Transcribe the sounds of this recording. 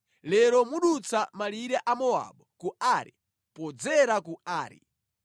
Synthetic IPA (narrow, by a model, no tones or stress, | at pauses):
lɛɾɔmuɗut͡samaliɾɛʔamɔa̰ɓɔkuaɾḭ | pɔd͡zɛɾakuaːɾḭ